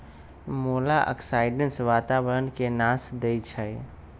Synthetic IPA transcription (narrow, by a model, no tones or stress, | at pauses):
moːlaʔə̰ksaːɪɖənsʋaːt̪awəɾənkenãːsd̪eit͡ʃʰəj